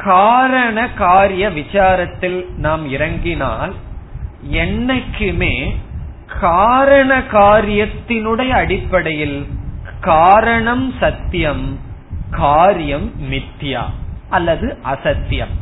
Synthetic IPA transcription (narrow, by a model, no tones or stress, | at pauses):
kaːɾɐɳɐkaːɾɪjɐʋɪt͡ʃaːɾɐt̪ːɪlnaːmɪɾɐŋɡɪna̰ːl | ɛnːɐɪkːɯmeː | kaːɾɐɳɐkaːɾɪjɐt̪ːɪnɯɽɐjɐɽɪpːɐɽɐjɪlkaːɾɐɳɐmsɐt̪ːjɐmkaːɾjɐmːɪt̪ːja̰ːʔɐlːɐðɯʔɐsɐt̪ːjɐ̰m